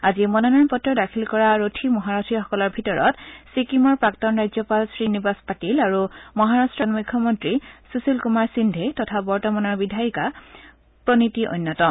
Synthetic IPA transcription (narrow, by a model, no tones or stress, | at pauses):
aziɛmɔnɔnaɹpɔtːɹɔdakʰilkɔɹaɹotʰimɔɦaɹatʰixɔ̥kɔlɔɹbʱitɔɹɔ̰tsikimɔɹpɹaktɔnɹajzɔpalsɹinibaspatilaɹumɔɦaɹastɹɔnmukʰːɔmɔntɹisusilkumaɹsindʱetɔtʰabɔɹtɔmanɔɹbidʱajika | pɹonitiʔo̰jnːɔtɔ